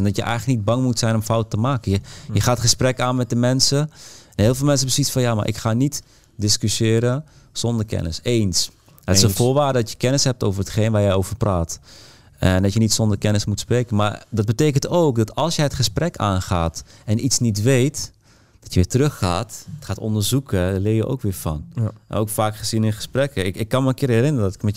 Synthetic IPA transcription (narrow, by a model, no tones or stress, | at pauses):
ndɔtjəʔɛ̰jɣlək̚nid̚bɑŋmutsɛjnɔmfawtəmaːkəjəjəxaːtχəsprɛkaːnmɛt̚dəmɛnsənɦeːlˠfɪːlˠmɛnsəbəsitfɔnjama̰ɹʔɪ̰kxaːnit | dɪskysɪːɾə | sɔndərkɛ̰nə̰seːns | ɪsəfoːɹʋaːdədɔtjəkɛnəshɛp̚toːvərətχeːnʋajɛjoːvərpraːt | ɛndɔtjənitsɔndərkɛnəsmutspreːkənmaɹdɑd̚bəteːkəntoːkdɔtɑlˠsjɛjətχəsprɛkaːnχaːtɛnʔitsnit̬ʋejt | d̥ɔtjəʋɪːtərøxːaːtətχaːtɔ̰ndəɹzukəlɪːjəʔo̰ːkʋɪːfɔ̰noːkfaːkχəzinɪnχə̥sprɛkəɪɪkːɑnməənkɪːɹɛrɪnəɾədɔtɪ̥kmɛ